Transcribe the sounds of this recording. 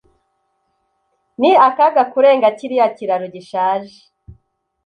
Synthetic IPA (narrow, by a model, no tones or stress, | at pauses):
niakaɡakuɾeːŋɡaciɾijaciɾaɾoɟiʃaːʒe̥